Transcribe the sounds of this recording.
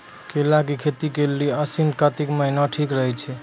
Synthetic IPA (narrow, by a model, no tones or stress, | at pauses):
kelakikʰet̪ikelːiəsinkat̪ikməɦinaʈʰikɾəɦɛt͡ʃʰɛ